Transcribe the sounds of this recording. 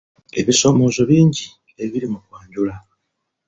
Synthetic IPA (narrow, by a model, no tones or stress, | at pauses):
e̞̰βiso̞ːmo̞ːzo̞βiːɲɟi | e̞βiɾimukwaːɲɟula